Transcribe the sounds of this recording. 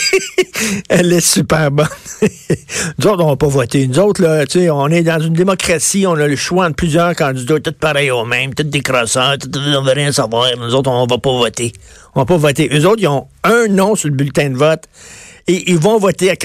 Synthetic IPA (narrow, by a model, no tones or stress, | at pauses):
ɛlɛsypɛːʁbɔn | nuzoʊt̪ɔ̃vɔpɔvɔt̪enuzoʊt̪lʌseɔ̃nɛd̪ɑ̃zynd̪emɔkʁasiɔ̃nʌləʃwad̪əplyzjœːʁkɑ̃d̪id̪ɔt̪ʊt̪̚paɾɛjoːmɛ̃j̃mt̪ʊt̪̚d̪ekʁasat̪ʊt̪ɔ̃vəʁjɛ̃savwaːʁnuzoʊt̪ɔ̃vapɔvɔt̪e | ɔ̃vapɔvɔt̪eʔøzoʊt̪ijɔ̃œ̃nɔ̃syləbylt̪ɛ̃d̪əvɔt̪eʔilvɔ̃vɔt̪eak